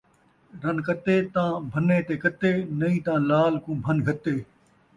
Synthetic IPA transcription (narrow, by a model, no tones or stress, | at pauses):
ɾɐnkɐt̪eːt̪ãːbʱəneːt̪eːkɐt̪eːnɐĩːt̪ãːlaːlkũːbʱɐnɡʱət̪eː